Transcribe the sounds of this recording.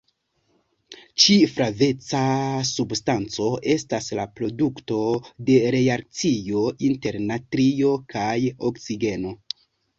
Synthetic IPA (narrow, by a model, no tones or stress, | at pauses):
t͡ʃifɾave̞t͡sasubstant͡so̞e̞staslapɾo̞dukto̞de̞ɾe̞ak̚t͡sijo̞ʔinte̞ɾnatɾio̞kajoksiɡe̞no̞